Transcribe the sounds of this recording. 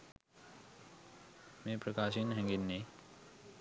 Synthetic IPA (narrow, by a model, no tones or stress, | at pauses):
mẽpɾəkaːʃinɦɛ̃ŋɡinːe